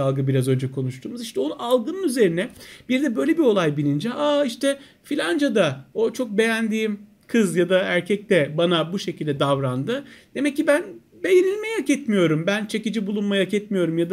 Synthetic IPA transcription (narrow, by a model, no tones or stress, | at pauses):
alˠɡɯbiɾazø̞nd͡ʒɛkʰo̞nuʃt̪ʰuːmuziʃt̪ʰɛo̞nalˠɡɯnɯnyze̞ɾinɛb̥iɾd̪ɛbø̞jlʲe̞bio̞lˠajbilʲind͡ʒɛʔaːiʃt̪ʰɛ | filʲand͡ʒad̪ao̞t͡ʃʰo̞k̚be̞jænd̪iːim | kʰɯzjad̪aæɾcʰɛc̚t̪ʰɛbanabuʃe̞cʰilʲd̪ɛd̪avɾand̪ɯd̪̥e̞mɛcːibæn | be̞jenilʲmɛjakɛt̪mijo̞ɾumbænt͡ʃʰe̞cid͡ʒibulˠunmajakɛt̪mijo̞ɾumjad̪a